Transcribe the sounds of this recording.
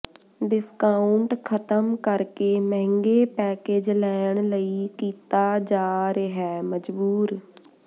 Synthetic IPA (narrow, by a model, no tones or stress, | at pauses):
ɖɪskaːʊɳʈkʰət̪əmkəɾkeːmɛɦɪ̃ŋɡeːpɛːkeːd͡ʒlɛːɳləiːkiːt̪aːd͡ʒaːɾeɦɛːməd͡ʒbuːɾ